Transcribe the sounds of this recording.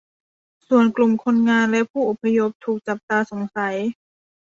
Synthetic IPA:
su˨˩ənklu˨˩mkʰo˧˥nŋaː˧˨nlɛ˦˥ʔpʰuː˥˩ʔo˨˩pʰːa˧jo˦˥p̚t̪ʰuː˨˩k̚t͡ɕa˨˩p̚t̪aː˧so˩˦ŋsa˨˩˦j

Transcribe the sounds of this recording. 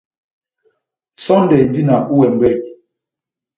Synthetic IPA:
sɔ˦n˦dɛ˨di˦na˨ʔu˦wɛ˨m̩˨bɛ˦˨t̚

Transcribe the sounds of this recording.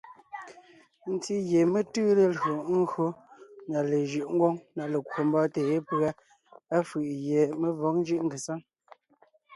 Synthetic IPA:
n̩˨ti˦ɣje˨me˦tɯː˦le˨lo˨ŋ̩˦o˦na˨le˨ʒɯ˨ʔŋ̩˦ɡwo˦ŋna˨le˨kʰwo˨m˦bɔ˦teː˨e˦pa˦ | a˦fɯ˨ʔje˨me˦vɔ˨˦ŋn˦d͡ʒɯ˦ʔŋ̩˦ɡe˨sa˦ŋ

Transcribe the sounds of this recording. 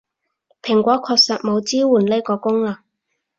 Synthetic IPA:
pʰɪ˨˩ŋkʷɔː˨˥kʰɔː˧k̚sɐ˨t̚mo˨˧wt͡siː˥wuː˨˩nle˥jkɔː˧kʊ˥ŋlaː˨˧

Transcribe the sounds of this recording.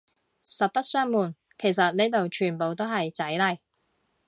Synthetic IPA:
sɐ˨t̚pɐ˥t̚sœː˥ŋmuː˨˩n | kʰe˨˩jsɐ˨t̚ne˨˧˥jt̪o˨wt͡ʃʰyː˨˩npo˨wt̪o˥wɦɐ˨jt͡sɐ˨˥jlɐ˨˩j

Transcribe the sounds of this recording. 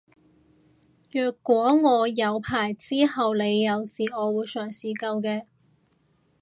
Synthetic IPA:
jœː˨˩kʷːwɔː˨˥ŋɔː˨˧jɐ˨˧wpʰaː˨˩jt͡siː˥hɐ˨wle˨˧jːɐ˨˧wsiː˨˩ɔː˨˧wuː˨˧jsœː˨˩ŋsiː˨˧kɐ˧wkɛː˧

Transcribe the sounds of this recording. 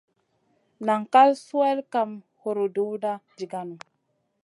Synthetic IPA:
na˨ŋka˦lsu˦e˦lka˨m | ho˨ɾo˨du˦wda˦d͡ʒi˨ɡa˦nu˨

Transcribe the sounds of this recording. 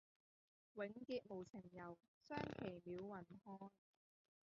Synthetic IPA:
wɪ˨˥ŋkiː˧t̚mo˨˩wt͡sʰɪ˨˩ŋjɐ˨w | sœː˥ŋkʰe˨˩jmiː˨˧˥wːɐ˨˩nhɔː˥n

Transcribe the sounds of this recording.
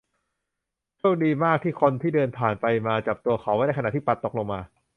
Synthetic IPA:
t͡ɕʰu˥˩ŋ̚diː˧maː˥˩k̚t̪ʰiː˥˩kʰo˧nt̪ʰiː˥˩dɤː˧np̪ʰaː˨˩npa˧jmaː˧t͡ɕa˨˩p̚t̪u˧ɐxʰa˨˩wa˥˩jda˥˩kʰn˨t̪ʰːpa˦˥t̪ːo˨˩k̚lo˧ŋmaː˧

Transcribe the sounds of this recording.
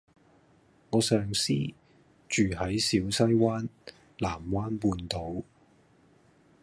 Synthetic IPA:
ŋɔː˨˧sœː˨ŋsiː˥ | t͡ʃyː˨ɦɐ˨˥jsiː˨˥wsɐ˥jwaː˥n | laː˨˩mwaː˥npuː˧nt̪o˨˥w

